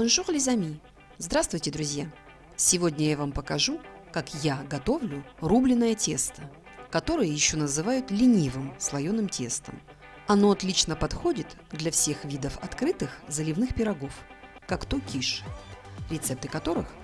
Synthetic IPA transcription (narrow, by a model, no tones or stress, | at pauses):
onʐuʁlʲɪzɐmʲi | zd̪ɾast̪vʊjtʲɪd̪ɾʊzʲja | sʲɪvo̞dʲnʲəjavampəkɐʐukakjaɡɐt̪o̞vlʲʊrublʲɪnːəjətʲe̞st̪ə | kɐt̪o̞ɾɨjəjɪɕːo̞nəzɨvajʊt̪lʲɪnʲivɨmslˠɐjonɨmtʲe̞st̪ə̰m | ɐno̞ɐt̪lʲit͡ɕnəpɐt̪xo̞dʲɪt̪ | d̪lʲɐfsʲe̞xvʲid̪əfɐ̰t̪kɾɨt̪ɨxzəlʲɪvnɨxpʲɪɾɐɡo̞f | kakt̪okʲiʂ | ɾʲɪt̪sɛp̚t̪ɨkɐt̪o̞ɾɨx